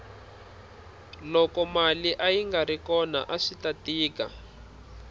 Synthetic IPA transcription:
lɔkɔmaliʔajiŋɡaɾikɔna̰ʔaʂitatiːka̰

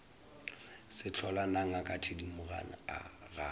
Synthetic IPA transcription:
sɪt͡ɬʰɔlanaŋ̩akʼatʰedimʊɣa̰n̩a̰ɣa

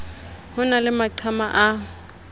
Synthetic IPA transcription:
hʊnalɪmaǃʰamaʔa

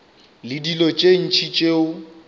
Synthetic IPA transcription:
lɪdilɔt͡ʃʼen̩t͡ʃʰit͡ʃʼeʊ

